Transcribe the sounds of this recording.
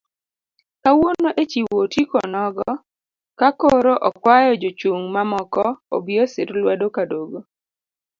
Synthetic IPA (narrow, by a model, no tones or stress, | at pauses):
kawonoʔet͡ʃiwotikɔnɔɡɔ | kakoɾoʔɔkwajɔd͡ʒot͡ʃuŋmamɔkɔo̰biɔsɪɾlwɛdokadoɡo